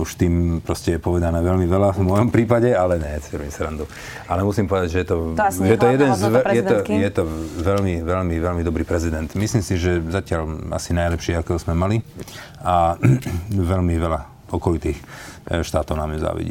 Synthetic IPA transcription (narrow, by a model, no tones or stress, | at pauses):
uʃt̪iːmpɾɔscɛjɛpɔʋɛd̪anɛːʋɛʎmiʋɛlavmɔjɔmpɾiːpaɟɛalɛɲɛsfiɾmisɾand̪u | alɛmusimpɔʋɛd̪aɟʒɛjɛt̪ɔʒɛjɛt̪ɔjɛd̪ɛnzʋɛjɛɔjɛt̪ɔʋɛlmiʋɛlmiʋɛlmid̪ɔbɾiːpɾɛzid̪ɛnt̪misliːmsiʒɛzacɪala̰sinajlɛpʃiakɛɔzmɛmali | a | ʋɛlmiʋɛla | ɔkɔlit̪iːxʃt̪aːt̪ɔʊnaːmjɛza̰ːʋḭɟḭ